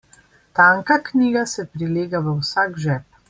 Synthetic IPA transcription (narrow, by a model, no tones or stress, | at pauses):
t̪aːŋkakniːɡasɛpɾileːɡaʋəwsaːɡʒɛːp̚